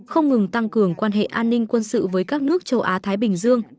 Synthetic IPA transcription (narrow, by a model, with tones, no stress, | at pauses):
xə˧wŋ͡mŋɨ˨˩ŋt̪a˧ŋkɨ˨˩əŋkwaː˧nɦḛ˧˨ʔaː˧nːï˧ŋ̟kwə˧nsɨ̰˧˨vəː˨˦jkaː˦˥k̚nɨ˦˥ək̚t͡ɕə˨˧wʔaː˨˦t̪ʰaː˨˦jɓï˧˩ŋ̟zɨ˧əŋ